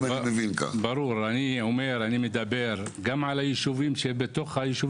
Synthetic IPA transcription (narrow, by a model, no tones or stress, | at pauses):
emevinka̰baɾuɾaniʕomeɾanimed̪abeɾ | ɡamʕalajiʃuvimʃebet̪oχhajiʃu